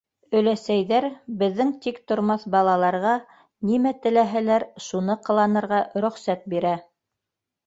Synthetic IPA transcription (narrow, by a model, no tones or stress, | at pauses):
ɵ̆læsæjðæɾbɘ̆ðːɘŋt̪ikt̪ŏɾmɑθbɑlˠɑlˠɑɾʁɑ | nimæt̪ɘ̆læɦælæɾʃunɤqɤ̆lˠɑnɤ̆ɾʁɑɾɵ̆χsæt̪̚biɾæ